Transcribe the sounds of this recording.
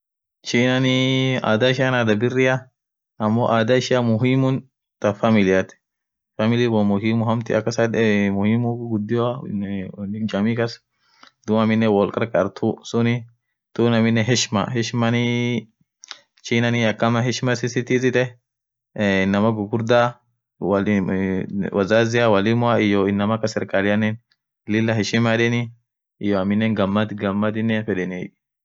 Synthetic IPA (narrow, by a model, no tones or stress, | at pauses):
t͡ʃiːnɐnɪa̰ːd̪ɐɪʃɪjɐnad̪ɐbɪrːɪjɐ | ɐmːoʔaːd̪ɐɪʃɪjɐmʊɦɪmʊn | t̪ɐfɐmɪlɪjɐt̪ɛ̥ | fɐmɪlɪbɔmʊhɪmʊɦɐmt̪ɪɐkːɐsɐd̪mʊhɪmʊɡʊd̪ːɪja | d͡ʒɐmikɐs | d̪ʊmɐmɪnːɛwɔlkʼɐɾkʼɐɾt̪ʰusʊnɪ | t̪uːnɐmɪnːɛɦɛʃmɐ̰ɦɛʃmɐnɪ | t͡ʃiːnɐnɪjɐkːɐmɐɦɛʃmɐsɪsɪt̪izɪt̪ɛ | ɪnːɐmɐɡʊɡʊɾd̪aː | wɐl | wɐzaːzɪjawɐlɪmʊaɪjoɪnːɐmɐkɐsɛɾkʼalɪjɐnːɛn | lɪlːɐɦɛʃɪmadɛnɪ | ɪjoɐmɪnːɛnɡɐmːɐt̪ɡɐmːɐd̪ɪnːɛfɛɗɛne